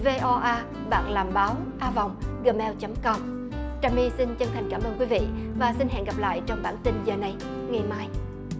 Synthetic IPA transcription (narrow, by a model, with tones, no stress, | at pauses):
ve˧ʔɔ˧ʔaː˧ | ɓaː˨˩k̚laː˨˩mɓaː˨˦wʔaː˧vɔ˨˩wŋ͡mɣəː˨˩mɛ˧wt͡ɕə˨˦mkɔ˧ŋ͡m | t͡ɕaː˧˩mi˧si˧nt͡ɕə˧ŋt̪ʰa˨˩jŋ̟kaː˧˩mʔəː˧nkwi˨˦vḭ˧˨vaː˨˩si˧nɦɛ̰˧˨ŋɣa˨˩p̚la̰ː˧˨jt͡ɕɔ˧wŋ͡mɓaː˧˩nt̪ï˧nzəː˨˩na˨˧j | ŋa˨˩maː˧j